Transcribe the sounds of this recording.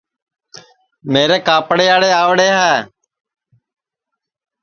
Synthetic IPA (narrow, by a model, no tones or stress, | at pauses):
meːɾeːkaːpɽeːaːɽeːaːʋɽeːɦɛː